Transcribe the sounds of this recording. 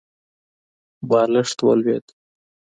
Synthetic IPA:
bɑːləʂt̪wə̰lwed̪

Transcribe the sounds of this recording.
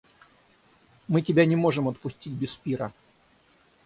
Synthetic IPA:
mɨtʲɪbʲanʲɪmo̞ʐɨmət̪̚pʊsʲtʲit̚ʲbʲɪspʲiɾə

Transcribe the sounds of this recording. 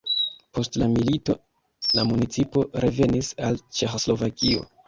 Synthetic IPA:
po̞stlamilito̞̰ | lamunit͡sipo̞ɾe̞ve̞nisalt͡ʃe̞xoslo̞vakio̞̰

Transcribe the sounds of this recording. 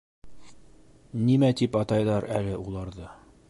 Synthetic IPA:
nimæt̪ipɑt̪ɑjðɑɾælɘʔulˠɑɾðɤ

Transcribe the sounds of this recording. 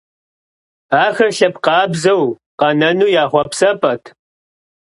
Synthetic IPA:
aːxɐɬɐpqɑːbzɐw | qɐnɐnuːjaːχʷɔpsɐpʰʼɐtʰ

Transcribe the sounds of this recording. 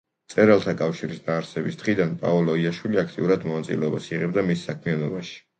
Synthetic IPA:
t̪sʼɛɾalˠt̪ʰakʼafʃiɾisnaːɾsɛbisd̪̥χid̪anpʼa̰ɔlˠɔiaʃwiliakʰt̪ʼiuɾad̪mɔnat̪sʼḭlɛɔbasiʁɛbd̪amisːakʰmianɔbaʃi̥

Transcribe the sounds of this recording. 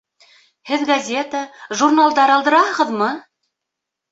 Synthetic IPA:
hɘðɡɐzʲe̞t̪əʒurnalˠd̪ɑɾɑlˠd̪ɤ̆ɾɑhɤ̆ʁɤ̆ðmɤ

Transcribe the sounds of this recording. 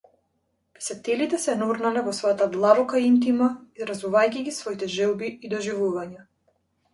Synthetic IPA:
pɛ̥sat̪ɛlit̪ɛsɛnuɾnalɛvɔsvɔjat̪ad̪lˠabɔkaint̪̬imaiɾazuvajciɡisvɔit̪ɛʒɛlˠbiːd̪ɔʒivuvaɲa

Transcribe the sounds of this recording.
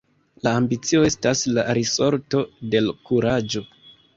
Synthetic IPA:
laːmbit͡sio̞e̞staslaɾiso̞ɾto̞de̞lkuɾad͡ʒo̞

